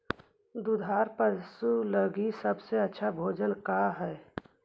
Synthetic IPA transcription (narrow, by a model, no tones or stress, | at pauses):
d̪ud̪ʱaːɾpəɾsuləɡisəbseɐtːʃʰabʱoːd͡ʒənkaɦɛː